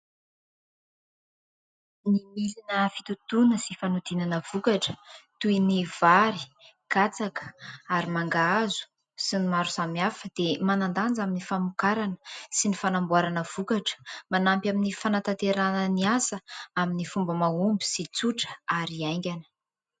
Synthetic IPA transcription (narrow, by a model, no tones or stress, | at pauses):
nimilinəfit̪ut̪unəsifanud̪inanəv̥ukaʈ͡ʂə̥t̪uiniv̥aɾi̥ | ɡ̥at͡sakə̥aɾimaŋɡaazu̥ | sinimaɾusamiafəd̪̥emanand̪and͡zaminifamukaɾanə̥sinifanambuaɾanəv̥ukaʈ͡ʂə̥manampjaminifanat̪ant̪eɾanəniasəaminifumbəmaumbi̥sit͡suʈ͡ʂə̥aɾiajŋɡʲanə̥